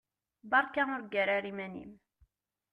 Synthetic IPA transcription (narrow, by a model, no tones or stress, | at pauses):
bɑɾˤkaʊɾɡæɾæɾimænḭm